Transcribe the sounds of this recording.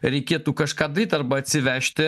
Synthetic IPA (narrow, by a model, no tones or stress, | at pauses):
ɾʲɛɪkʲeːɛt̪uːkɐʃkɑːd̪ɐɾʲiːt̪ʲɐɾbɐɐt̪ʲsʲɪʋʲæːʃʲt̪ʲɪ